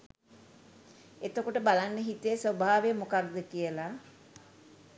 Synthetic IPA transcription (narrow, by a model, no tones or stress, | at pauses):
et̪əkoʈəbalanːəɦit̪əəsʋəbʱaːʋejəmokaɾd̪əkijəla